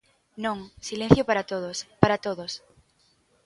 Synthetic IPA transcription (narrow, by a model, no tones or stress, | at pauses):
nõŋsilẽn̟θjopaɾat̪oðospaɾat̪oðos